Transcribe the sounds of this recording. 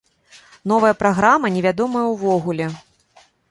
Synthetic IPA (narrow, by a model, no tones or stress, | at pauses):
n̪ɔvɐjɐpɾaɣɾamɐnʲɛvʲad̪ɔmɐjɐwvɔɣulʲɛ